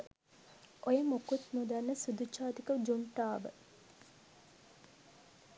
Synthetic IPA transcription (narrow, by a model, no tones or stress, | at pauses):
ʔojəmokut̪mud̪anːəsud̪ut͡ʃaːt̪ikəd͡ʒuɳʈaːʋə̰